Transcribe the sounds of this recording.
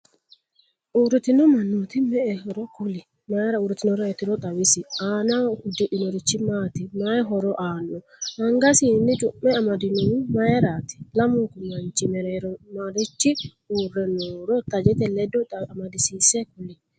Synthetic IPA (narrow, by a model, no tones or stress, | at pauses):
ʔuɾit̪inɔmanːot̪imɛɛhɔɾɔkuli | majɛɾauɾit̪inɔɾɔɛt̪iɾɔtʼawisianakudɛʔinoɾit͡ʃːimat̪imaɛɦɔɾɔʔanɔ | haŋɡasinid͡ʒumːɛamadinowumajɛɾat̪i̥lamuŋkumant͡ʃimɛɾɛɾɔmaɾit͡ʃːi | uɾɛnɔɾɔt̪ad͡ʒɛt̪ɛlɛdɔamadisisɛkuli